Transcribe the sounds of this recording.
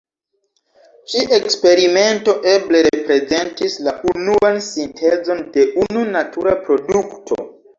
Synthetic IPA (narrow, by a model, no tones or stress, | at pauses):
t͡ʃiʔe̞kspe̞ɾime̞nto̞ʔe̞ble̞ɾepɾe̞ze̞ntislaʔunuansintʰe̞zo̞nde̞ʔununatuɾapɾo̞duktʰo̞̰